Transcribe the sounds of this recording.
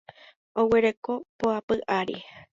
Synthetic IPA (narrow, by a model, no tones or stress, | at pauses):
oweɾeko̞poapɨʔaɾi